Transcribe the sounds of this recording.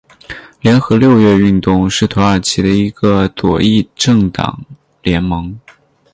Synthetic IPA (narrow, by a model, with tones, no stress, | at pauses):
ljɛ˧˥nxɤ˧˥ljo˥˧ʊɥɛ˥˧y˥˧nt̪ʊ˥˧ŋʂɻ̩˥˩t̪ʰo˧˥ə˞˨˩t͡ɕʰi˧˥d̪ə˧i˧˥ɡə˧t̪wɔ̰˨˩i˥˧ʈ͡ʂɤ˥˩ŋt̪ɑ̰˨˩˦ŋ | ljɛ˧˥nmɤ˧˥ŋ